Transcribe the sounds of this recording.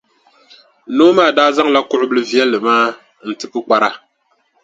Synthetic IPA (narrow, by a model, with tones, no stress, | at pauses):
noː˦maː˦˨daː˦za˦ŋla˦kʊ˦ʔʊ˦bɨ˦lɨ˦vi˦ɛ˦lːɨ˨maː˦ | n̩˨tɨ˨pɨ˦k͡pa˨ɾa˦